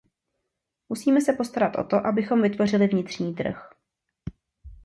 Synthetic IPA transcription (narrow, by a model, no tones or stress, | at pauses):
musiːmɛsɛpo̞st̪aɾat̪ʔo̞̰t̪o̞ʔabɪxo̞mvɪt̪vo̞r̝ɪlɪvɲɪt̪r̝̥ɲiːt̪r̩̰x